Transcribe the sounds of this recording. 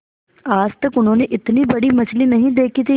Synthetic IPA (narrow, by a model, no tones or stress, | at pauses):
aːd͡ʒt̪ɐkʊnɦõːneʔɪt̪nibɐɽimɐt͡ʃlinɐɦĩd̪eːkʰit̪ʰi